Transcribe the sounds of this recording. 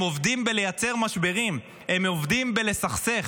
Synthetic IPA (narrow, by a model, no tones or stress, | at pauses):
ovd̪imbele̞jat͡se̞ʁmaʃbeʁim | e̞movd̪imbele̞saχseχ